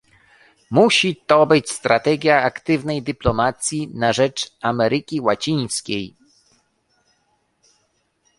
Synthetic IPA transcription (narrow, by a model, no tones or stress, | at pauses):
muɕit̪ɔbɘt͡ɕst̪ɾat̪ɛɡʲjaakt̪ɘvnɛjd̪ɘplɔmat̪sʲjinaʐɛt͡ʂamɛɾɘkʲiwat͡ɕij̃skʲej